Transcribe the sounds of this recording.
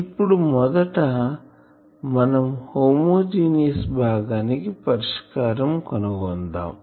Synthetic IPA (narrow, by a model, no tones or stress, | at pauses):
ipːuɽumɔd̪ɐʈɐ | mɐnɐmhoːmoːd͡ʒiːnjɐsbʱaːɡaːnikipɐɾiʂkaːɾɐmkɐnuɡɔnd̪a̰ːm